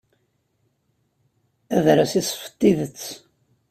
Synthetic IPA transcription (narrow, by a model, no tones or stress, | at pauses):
æðɾasisˤfə̥t̪ːiðət͡sː